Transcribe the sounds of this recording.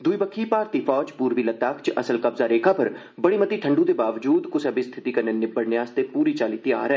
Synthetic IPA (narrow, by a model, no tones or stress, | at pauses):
d̪ʊibəkʰːipaːɾt̪ifɔːd͡ʒpuːɾʋiːlɐt̪aːkʰt͡ʃɐsəlkɐbzaːɾeːkʰapɐɾ | bɐɽiːmət̪iːʈʰəɳɖũt̪eːbaːʋd͡ʒuːd̪kʊsɐbist̪ʰɪ̥t̪ikɐɾnenɪbəɽnɪjaːst̪epuːɾit͡ʃaːlit̪ia̰ːɾɛː